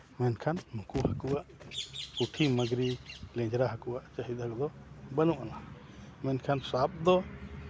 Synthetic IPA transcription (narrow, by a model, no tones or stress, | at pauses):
mɛnkʰanmukuhəkuaʔkuʈʰiməɡɾilɛ̃d͡ʒɾaɦəkuwaʔt͡ʃəɦit̪̚akd̪ɔbənuʔana | mɛnkʰansap̚d̪ɔ